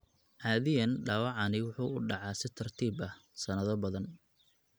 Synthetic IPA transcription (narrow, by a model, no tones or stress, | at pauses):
ʕɑːðɪjɐnɖaːwɑʕɑnɪwʊħuːʊɖɑʕɑːsɪt̪ʰɐrt̪ʰiːbɐhsɐnɐðɔbɐðɐn